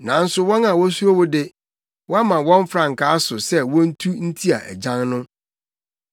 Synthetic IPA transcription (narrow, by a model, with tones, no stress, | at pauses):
nã˨n̩˦sʊ˦wɔ̃˦nã˨wɔ˦su˦ɾo˦wʊ˦dɪ˦ | wɔ˦a˦mã˨wɔ̃˦ɱ˦fɾã˨ŋ̩˨kʰaː˦sʊ˨sɛ˦wɔ̃˦n̩˦tʰu˦n̩˦tʰi˦a̰˨ʔæ̰˨d͡ʑã˦ŋnʊ̃˦